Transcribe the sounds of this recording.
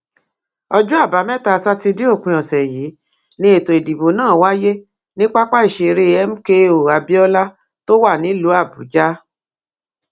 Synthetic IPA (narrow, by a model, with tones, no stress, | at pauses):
ɔ˧d͡ʒu˦a˦˨ba˨˦mɛ˦ta˧sa˦ti˧di˦o˦˨k͡pũ˧ɔ̃˨sɛ˨jiː˨˦ | nĩ˧˦e˦˨to˨e˨di˨bo˨nãː˦˨wa˦je˦ | nĩ˦k͡pa˦k͡pa˦i˦˨ʃe˧ɾe˦˧ɛ˦m̩˦ke˦o˨a˨bi˦ɔ˦la˦ | to˦wa˦˨nĩ˨˦lu˨˦a˦˨bu˨˦d͡ʒa˦